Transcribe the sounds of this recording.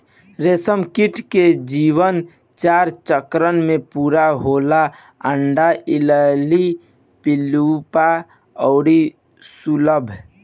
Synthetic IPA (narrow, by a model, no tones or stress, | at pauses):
ɾesəmkiʈʰked͡ʒiʋən | t͡ʃaɾt͡ʃəkɾənmepuɾaɦola | əɳɖaʔiləli | pilupa | ɔʊɾi | suləbʱ